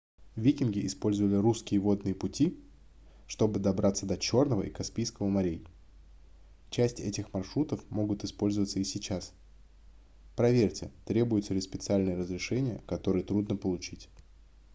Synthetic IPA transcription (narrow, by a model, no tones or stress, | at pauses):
vʲikʲɪnɡʲɪɪspo̞lʲzəvəlʲɪɾuskʲɪjəvo̞d̪nɨjəpʊtʲi | ʂt̪o̞bɨd̪ɐbɾat̪sːəd̪ɐt͡ɕo̞rnəvə̰ʔikɐspʲijskəvəmɐɾʲej | t͡ɕæsʲtʲɛtʲɪxmɐrʂɾut̪əfmo̞ɡʊt̪ɪspo̞lʲzəvət̪səisʲɪt͡ɕas | pɾɐvʲerʲtʲɪt̪ɾʲe̞bʊjʊt̪səlʲɪspʲɪt̪sɨalʲnɨjəɾəzɾʲɪʂɛnʲɪjəkɐt̪o̞ɾɨjət̪ɾud̪nəpəlˠʊt͡ɕitʲ